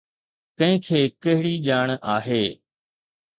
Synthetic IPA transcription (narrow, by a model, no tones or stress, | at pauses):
kɐ̃ɦɪ̃kʰeːkɐɦɪɽiʄaːɳ̃aːɦeː